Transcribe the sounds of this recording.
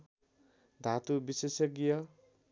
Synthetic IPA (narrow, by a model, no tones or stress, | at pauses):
d̪ʱat̪ubisesʌɡijʌ